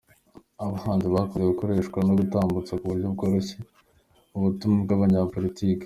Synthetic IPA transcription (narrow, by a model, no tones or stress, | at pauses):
aβahaːnziβakoeeɡuko̞ɾe̞ːʃkwanoɡutaːmbut͡sakuβuɾɟob̚ɡoːɾoçe | uβutumubɡaβaɲapo̞litiːke̥